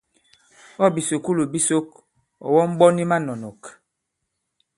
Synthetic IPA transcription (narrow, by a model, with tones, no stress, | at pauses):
ɔ˦bi˨so˨ku˦lo˨bi˦so˦k̚ | ɔ̰˨wɔ˦m̩˦bɔ˦ni˦ma˦nɔ˨nɔ˨k